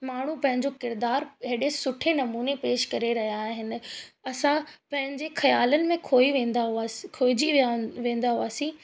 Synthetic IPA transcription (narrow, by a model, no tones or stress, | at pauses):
maːɳ̤ũpɐ̃ɦɪ̃ɲd͡ʑokɪɾd̪aːɾɦɪɗesʊʈʰenɐmuːnepeːʃkɐɾeɾɐɦijaːɦɪnɪ̆ɐsãpɐ̃ɦɪ̃ɲd͡ʑexɐjaːlənɪ̆mẽkʰoːiʋẽːnd̪aɦaːkʰoːɪd͡ʑiʋiaʋẽːn̆d̪aɦuaːsĩː